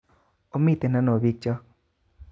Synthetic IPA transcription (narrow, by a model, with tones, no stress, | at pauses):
o˦mi˦˨t̪e˨na˦no˨bi˦k̚t͡ʃɔ˦